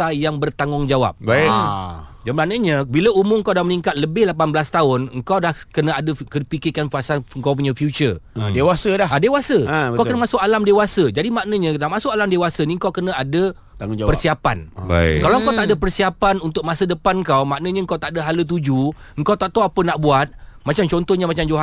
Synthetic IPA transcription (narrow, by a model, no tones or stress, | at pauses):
ajaŋbərt̪aŋʊŋd͡ʒawa̰p̚ba | d͡ʒambanəɲə̃biləumʊmŋkawdaməniŋkat̪̚ləbɪhlap̬anbəlast̪aʊnŋkawdahkənə̃adəkəpikɪkanfasaŋkawpuɲə̃fjut͡ʃərdewasədahadewasəkawkənəmasʊkalamdewasəd͡ʒadimaʔnəɲə̃naʔmasʊkalamdewasəniŋkawkənə̃adə | t̪aŋapərsiapanba̰kalaŋkawt̪aʔdəpərsiapanunt̪ʊk̚masədəpanŋkawmaʔnəɲəəŋkawt̪aʔdaɦalət̪̬ud͡ʒu | əŋkawt̪aʔt̪aapənaʔbuat̪̚mat͡ʃamt͡ʃɔnt̪ɔɲəmat͡ʃamd͡ʒoɦa